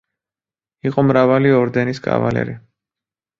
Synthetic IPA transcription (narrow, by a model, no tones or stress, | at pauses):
iqʼɔmɾavaliɔɾd̪ɛniskʼa̰valɛ̰ɾi